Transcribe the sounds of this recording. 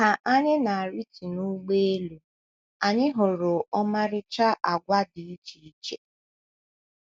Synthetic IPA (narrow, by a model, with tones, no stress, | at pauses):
a˨ʔa˦ɲɪ˦na˨a˨ɾi˦ti˨nu˦ɡ͡be˦e˦lu˨ | a˨ɲɪ˦ɦʊ˨ɾʊ˨ɔ˦ma˦ɾɪ˦t͡ʃa˦ʔa˨ɡʷa˦dɪ˨i˦t͡ʃi˨i˦˨t͡ʃe˨